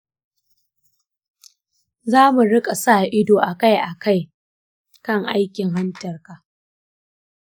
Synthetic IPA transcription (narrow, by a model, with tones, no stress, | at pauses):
zaː˦mu˨ɽɪ˦kʼa˨sa˦˨ʔɪ˦doː˨ʔa˨ka˦˨jʔa˨ka˦˨j | kɐ˦ŋʔa˦jkʲɪ˨ŋɦa˦ntɐ˨rkaː˨